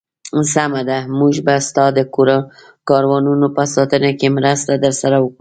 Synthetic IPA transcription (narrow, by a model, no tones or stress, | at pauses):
samad̪amuʒbast̪ɑd̪əkɾ | kɑɾwɑnunopasɑt̪ənakemɾast̪ad̪əɾsaɾawəkɽu